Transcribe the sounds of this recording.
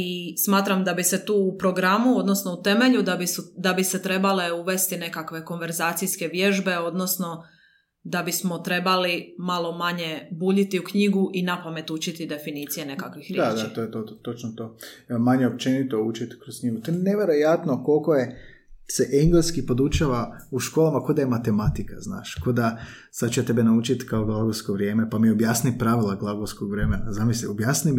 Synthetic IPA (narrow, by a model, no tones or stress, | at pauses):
ismaːt̪ɾamd̪abise̞t̪uːupɾo̞ɡɾamuo̞d̪nosno̞ut̪e̞me̞ʎud̪abisud̪abise̞t̪ɾe̞bale̞uʋe̞st̪ine̞kakʋe̞ko̞nʋe̞ɾzaːt̪sijske̞ʋje̞ʒbe̞o̞d̪no̞sno̞ | d̪abismo̞t̪ɾe̞balimalˠo̞maɲe̞buːʎit̪iukɲiɡuʔinapame̞t̪ut͡ʃit̪id̪e̞finiːt̪sije̞ne̞kakʋixɾjaːd̪at̪ojt̪ot̪ot͡ʃnot̪oː | maɲeop̚t͡ʃenit̪out͡ʃit̪kɾoskɲiɡut̪ojeneʋjeɾo̞jat̪noko̞lkoje | seʔeŋɡleskipo̞d̪ut͡ʃaʋauʃko̞ːlamako̞d̪aje̞mat̪e̞mat̪ika̰zna̰ːʃko̞d̪a | sad̪t͡ʃuet̪e̞benaut͡ʃit̪kaoɡlˠaɡowsko̞ʋɾʲje̞ːme̞pamiobjasnipɾaʋilˠaɡlˠaɡowskoɡʋɾemenazamisliobjasni